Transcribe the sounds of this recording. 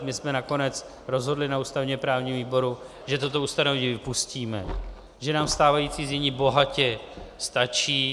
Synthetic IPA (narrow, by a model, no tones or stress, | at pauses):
mɪsmɛnako̞nɛt͡s | ɾo̞zɦo̞dlɪnauːst̪avɲɛpɾaːvɲiːɦoviːbo̞ɾu | ʒɛt̪ot̪o̞ust̪anovɛɲiːvɪpusciːmɛ | ʒɛnaːmst̪aːvajit͡siːzɲɛɲiːbo̞ɦacɛ | st̪at͡ʃiː